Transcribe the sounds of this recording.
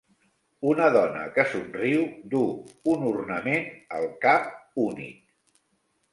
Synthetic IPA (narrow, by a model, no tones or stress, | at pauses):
unəðɔnə̰kəsunriwd̪uunurnəmenəlˠkap̚unḭk̚